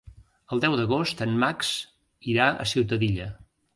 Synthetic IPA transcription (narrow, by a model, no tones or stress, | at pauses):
əlˠd̪ɛwd̪əɣost̪ənmaks | iɾaə̰siwt̪əðiʎə